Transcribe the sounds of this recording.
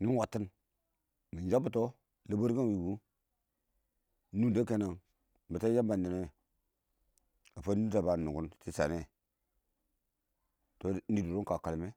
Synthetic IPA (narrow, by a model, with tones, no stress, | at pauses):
ni˦wa˨tːi˦n | mi˨n˨d͡ʒa˦bu˨to˦ | la˦bo˦ɾɡa˦n˨wi˨ɡu˦ | nu˦˨de˦ke˦na˨ŋ˨ | ba˨ta˦ja˦ba˨ndi˨ne˦˨ | a˨fa˦ni˦ɾa˨ba˨nu˨ɡu˦nti˦sa̰˨ne˦ | to˨n̩˦di˦˨du˨ɾo˦ŋka˨ka˨lme˦